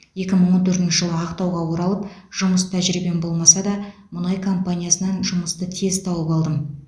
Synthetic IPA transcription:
je̞kʲɪməɴwot̪ʰɵɾt̪nʃɪʒəlˠəɑqt̪ɑwʁɑwo̞ɾɑlˠəpʒ̥ʊməst̪ʰæʒɾibe̞nbo̞lˠmɑsɑd̪ɑ | mʊnɑjkʰo̞mpanʲijasənɑnʒʊməst̪ət̪ʰe̞zt̪ʰɑwəpɑlˠd̪əm

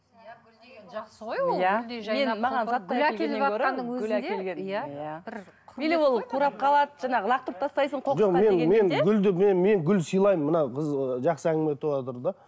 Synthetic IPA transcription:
eʒɑqsjæmme̞nmɑʁɑnsɑt̪ːleeekʲɵɾɪɡlæke̞lɡʲe̞njjæbbelewo̞lˠqʰuɾɑp̚qʰɑlˠɑd̪əʒɑnɑʁəlˠɑq̚t̪əp̚t̪ʰɑst̪ɑjsəɴqʰoʒome̞nme̞neɡʲʏld̪ɪmenme̞ŋɡʲʏlsijlˠɑjməmːənɑqʰəzʒɑqsəæŋɡʲɪme̞t̪ʰːoɑt̪əɾd̪ɑ

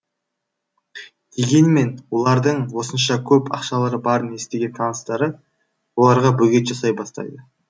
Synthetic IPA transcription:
d̪̥e̞ɡʲe̞nɪme̞nwo̞lˠɑɾd̪əɴwo̞sənʃɑkʲʰɵpɑ̰qʃɑlˠəɾəbɑɾəne̞st̪e̞ɡʲe̞nt̪ʰɑnəst̪ɑɾə | wo̞lˠɑɾʁɑbɵɡʲe̞t̪ʒɑsɑjbɑst̪ɑ̰jd̪ə

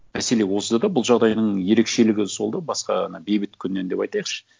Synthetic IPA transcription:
mæse̞le̞wo̞səd̪ɑd̪ɑbʊlˠʒɑʁd̪ɑjnəɴje̞ɾe̞kʃe̞lɪɡʲɪsolˠd̪əbɑsqɑ̰nɑbe̞jbɪt̪kʲʰʏnːend̪e̞pɑjt̪ɑjəqʃə̥

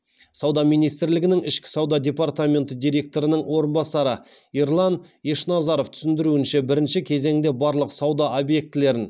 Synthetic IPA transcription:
sɑwd̪ɑmijnijst̪ɪɾlɪɡʲɪnɪŋɪʃkʲɪ̥sɑwd̪ɑd̪ʲe̞pɑrt̪amʲe̞nt̪əd̪ijɾʲe̞k̚t̪o̞ɾənəɴwo̞ɾənbɑsɑɾəiɾlˠɑn | eʃnɑzɑɾo̞ft̪ʰʏ̥sɪnd̪ɪɾuɪnʃebɪɾɪnʃɪkʲʰe̞ze̞ŋd̪e̞bɑɾlˠəqsɑwd̪ɑʔobje̞k̚t̪ɪle̞ɾɪn

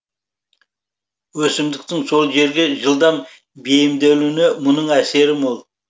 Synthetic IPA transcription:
wɵsɪmd̪ɪk̚t̪ɪŋso̞lˠʒe̞ɾɡʲe̞ʒəlˠd̪ɑn | bejɪmd̪elne̞mʊnəɴæse̞ɾɪmolˠ

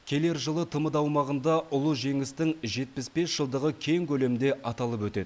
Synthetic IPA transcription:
kʲʰe̞le̞ɾʒəlˠət̪ʰəməd̪ɑwmɑʁənd̪ɑʊlˠəʒe̞ŋɪst̪ɪŋʒe̞t̪̚pɪsbe̞sʒ̥əlˠd̪əʁəkʲʰe̞jŋkʲʰɵle̞mɪnd̪e̞ʔɑt̪ɑlˠəp̬wɵt̪e̞d̪ɪ

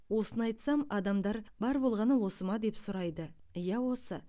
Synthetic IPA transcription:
wo̞sənɑjt̪sɑmɑd̪ɑmd̪ɑɾbɑɾbo̞lˠʁɑnəwo̞səmɑd̪e̞psʊɾɑjd̪əjæwo̞sə

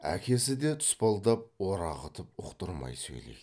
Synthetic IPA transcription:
æ̰kʲe̞sɪd̪e̞t̪ʰʊ̥spɑlˠd̪ɑp̚woɾɑʁət̪ʰəp̚ʊqt̪əɾmɑ̰jsɵ̰jlḛjd̪ɪ

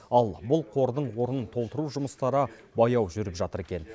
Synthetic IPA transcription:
ɑlˠbʊlˠqʰo̞ɾd̪əɴwo̞ɾənt̪ʰo̞lˠt̪əɾuʒʊməst̪ɑɾə | bɑjɑwʒʏɾɪpʒɑt̪əɾe̞kʲe̞n

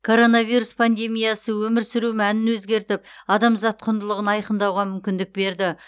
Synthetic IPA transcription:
kʰo̞ɾo̞navijɾuspʰand̪e̞mʲijɑsəwɵmɪɾsɪɾumænɪnwɵzɡʲe̞ɾt̪ɪp̚ɑd̪ɑmzɑt̪̚qʰʊnd̪əlˠəʁənɑjqənd̪ɑwʁɑmʏmkʲɪnd̪ɪk̚be̞ɾd̪ɪ

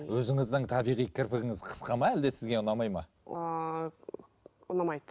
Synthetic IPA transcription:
wɵzɪŋɪzd̪ɪŋt̪ʰɑbijʁijkʲʰɪɾpɪɡʲɪŋɪzqʰə̥sqɑmɑæld̪e̞sɪzɡʲe̞ʊnɑmɑjmɑ | ʊnɑmɑjd̪

